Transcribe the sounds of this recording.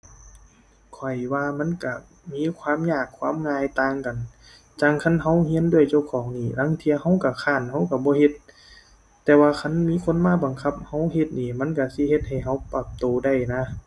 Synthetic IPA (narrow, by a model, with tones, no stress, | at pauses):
kʰɔ˨˩jwaː˧ma˧˥˨nka˧˩ | miː˧˥˨kʰwaː˧˥˨mɲaː˧˩kʰːwaː˧˥˨mŋaː˧jt̪aː˧ŋka˨n | t͡ɕa˧˩ŋkʰa˧˥˨nɦa˧˥˨whi˧˥ə˨ndu˧˥˩əjt͡ɕa˧˩wkʰɔː˨˦ŋniː˧˩la˧˥˨ŋt̪ʰi˧əha˧˥˨wka˧˩kʰaː˧˩˨nha˧˥˨wka˧˩bɔː˧˦ɦe˧˦t̪ː | ɛː˧waː˧kʰa˧˥˨nmiː˧˥˨kʰo˧˥˨nmaː˧˥˨ba˨˩ŋkʰa˧˥p̚ha˧˥wɦe˧t̪̚niː˧˩ma˧˥˨nka˧˩si˧˥he˧˦t̪̚ha˨˩jɦa˧˥˩wpa˧˩p̚t̪oː˨˩da˧˩˨jna˧˥